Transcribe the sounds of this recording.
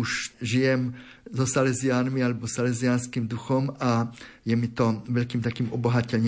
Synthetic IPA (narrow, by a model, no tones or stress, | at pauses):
uʃʒijɛmzɔsalɛziaːnmialɛbɔsalɛziaːnskiːmd̪uxɔma | jɛmit̪ɔʋɛʎkiːmt̪akiːmɔbɔɦacɛʎɲː